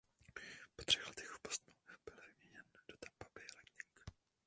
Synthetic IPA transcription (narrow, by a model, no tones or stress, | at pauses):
pot̪r̥ɛxlɛt̪ɛxfpost̪nub̥ɪlvɪmɲɛɲɛnd̥ot̪ampabɪlɛt̪ɲɪŋk